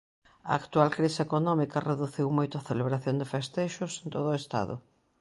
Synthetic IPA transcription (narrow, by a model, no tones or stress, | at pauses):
ɐ̰akt̪ualkɾisekonɔmikɐreðuθiwmojt̪ʊaθeleβɾaθjond̪ɪfest̪eʃʊsent̪oðʊest̪a̰ðʊ̰